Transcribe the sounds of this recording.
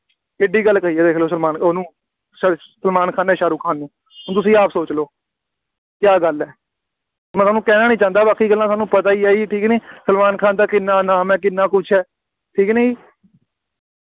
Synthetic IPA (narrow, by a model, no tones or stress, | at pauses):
ɪɖiːɡəlːkəɾiːɛːd̪eːkʰloːs̬əlmaːnonũː | səlmaːnkʰaːnɛːʃaːɾuːkʰaːnːeː | ɦʊt̪̬ʊsĩːaːpsoːt͡ʃloː | kjaːɡəlɛː | mɛ̃saːnũːkɛːnaːnĩːt͡ʃãːnd̪aːbaːkʰːiːɡəlːãːsaːnũːpət̪aːiːaːiːʈʰiːknẽːsəlmaːnkʰaːnd̪aːkɪnːãːnaːmɛːk̬ɪnːãːkʊt͡ʃʰɛː | ʈʰiːknẽːiː